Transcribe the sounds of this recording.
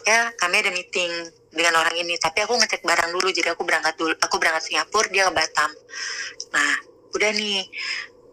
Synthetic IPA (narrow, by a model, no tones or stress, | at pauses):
jakamɛdamit̪ɪŋ | dəŋanoɾaŋinit̪apiakuŋət͡ʃɛk̚baɾaŋdulud͡ʒadiakubəɾaŋkat̪̚dulakubəɾaŋkat̪̚siŋapʊrdiakəbat̪am | nah | udahni